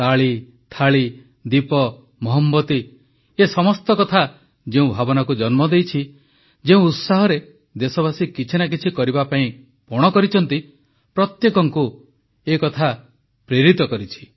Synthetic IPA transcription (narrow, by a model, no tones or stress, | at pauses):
t̪aɭi | t̪ʰaɭi | d̪ipɔ | mɔɦɔmbɔt̪i | esɔmɔst̪ɔkɔt̪ʰa | d͡ʒeũbʱabɔnakud͡ʒɔnmɔd̪ejt͡ʃʰi | d͡ʒeũut̪saɦɔɾe | d̪esɔβasikit͡ʃʰinak̬it͡ʃʰikɔɾibapaĩ | pɔɽ̃ɔkɔɾit͡ʃʰɔnt̪i | pɾɔt̪jekɔŋku | ekɔt̪ʰa | pɾeɾit̪ɔkɔɾit͡ʃʰi̥